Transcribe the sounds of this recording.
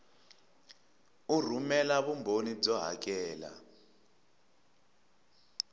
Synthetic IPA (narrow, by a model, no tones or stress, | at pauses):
ur̤umɛlaβumbʱonid͡zɔɦa̰k̬ʼɛːla̰